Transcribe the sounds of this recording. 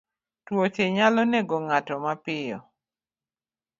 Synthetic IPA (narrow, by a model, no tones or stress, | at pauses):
twot͡ʃeɲalɔneɡoŋatɔmapɪjɔ